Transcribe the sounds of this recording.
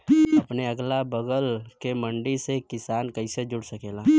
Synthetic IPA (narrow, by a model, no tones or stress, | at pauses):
ɐpneɐɡlabəɡəlkemɐ̃ɳɖisekɪsaːnkɐised͡ʒʊɽsɐkeːlaː